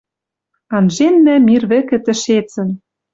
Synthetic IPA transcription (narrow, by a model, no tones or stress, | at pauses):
ɑnʒenːæmirβɘ̆kɘ̆t̪ɘ̆ʃet͡sɘ̆n